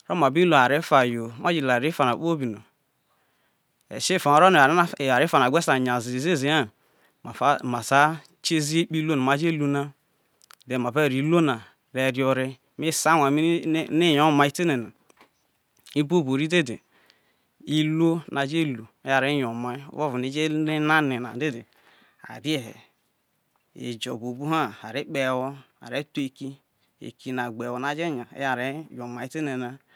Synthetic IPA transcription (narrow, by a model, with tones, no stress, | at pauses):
ɾo˦ma˨bi˦lo˨a˨ɾe˦fa˨jo˨˦ma˦d͡ʒi˦˨la˨ɾe˦fa˨na˨˦k͡po˦bi˨no̰˨ | ḛ˨ʃe˦˨fa˨no˨ɾo˦n˨˦˨a˨ɾe˦fa˨na˨ɡʷe˦sa˨ɲ˨a˨zi˨i˨ze˦˨zi˨˦a˦˨˦ | ma˨sa˦ | t͡ʃe˦zi˦e˦k͡pi˦lo˦na˨ma˨d͡ʒe˦lu˦na˦ | de˨ma˨be˦˨ɾi˨˦lo˦na˨ | ɾe˨ɾi˦o˦ɾe˦ | mi˦sa˦wʷa˨mi˦ni˦˨jo˦ma˦i˦te˦ne˨na˨ | i˦bo˦˨bo˨ɾi˦de˦de˨ | i˦lo˦nʔa˨d͡ʒe˦˨lu˨e˦ja˨ɾe˦jo˨ma̰˨˦vo˦vu˨ne˦d͡ʒe˦e˦na˦ne˨na̰˨de˦de˨ | a̰˨ɾi˦e˨h | ḛ˨d͡ʒo̰˨bo˨bu˦ɦa˦˨a˨ɾi˦k͡pe˨wo˦a̰˨ɾe˦tu˦e˨ki˦ | ḛ˨ki˨na˨ɡ͡be˨wo˨na˨d͡ʒe˦˨ɲa̰˨˦ja˨ɾe˦jo˨ma˨i˦te˦ne˨na˨